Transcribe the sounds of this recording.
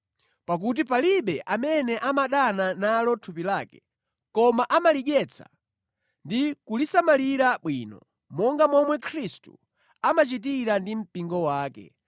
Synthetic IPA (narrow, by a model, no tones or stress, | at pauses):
pak̬ut̬ipaliɓɛʔamɛnɛʔamaɗananalɔtʰupilaːkɛ | kɔmaʔamaliɡɛt͡sʰa̰ | ndikulisamaliɾaɓwiːnɔ̰ | mɔŋɡamɔmwɛkʰɾistṵ | amat͡ʃit̬iɾandim̩piŋɡɔwaːkɛ̰